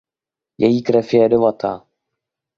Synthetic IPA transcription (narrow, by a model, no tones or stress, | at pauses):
jɛjiːkɾɛfjɛdɪvat̪a̰ː